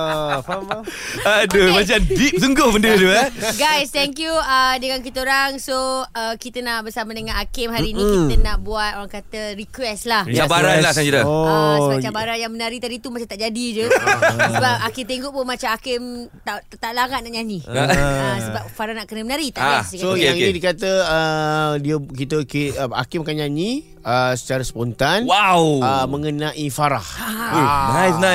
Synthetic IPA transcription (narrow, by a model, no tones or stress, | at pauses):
adəmat͡ʃamdip̚səŋɡoməndiɾd̪uəɡajst̪ɛŋkjuədəŋank̬it̪əoɾaŋsoəkit̪ənaʔbəsamadəŋãnakɪmɦaɾiːnĩkiit̪ənaʔbuat̪̚oɾaŋkat̪əɾikwɛslahabaɾalahsad͡ʒiɾəsəbat͡ʃabaɾanjaŋmənaɾit̪aɾit̪umat͡ʃat̪aʔd͡ʒadid͡ʒuəbap̚akit̪eŋɡoʔpʊnmat͡ʃamakɪmt̪at̪aʔlaŋat̪̚naʔɲaniəsəbap̚faɾahnaʔkənəmənaɾit̪aʔaaikasojaŋinidikat̪əədiəkit̪əkiəa̰kimkaɲanĩ | əsə̥t͡ʃaɾasəpɔnt̪anwawəməŋənãʔifaɾa̰h | najsna